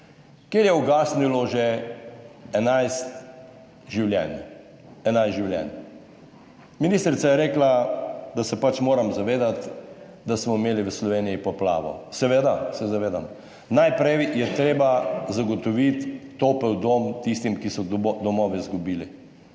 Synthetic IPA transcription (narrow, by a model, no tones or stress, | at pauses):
keːɾjɛɔɡaːsnilɔʒe | ɛnajst̪ | ʒiwljɛ̰n | ɛnajʒiwljɛ̰n | miniːst̪ɾit̪sajɛɾeːklad̪asɛpat͡ʃmoːɾamzaʋeːd̪at̪ | d̪asmɔimeːliʋəslɔʋeːnijipɔpla̰ːʋɔ̰sɛʋeːd̪asɛzaʋeːd̪a̰m | najpɾɛjjɛt̪ɾeːbazaɡɔt̪ɔʋit̪ːopɛwd̪omt̪ist̪imkisɔd̪ɔmɔːʋizɡubiːli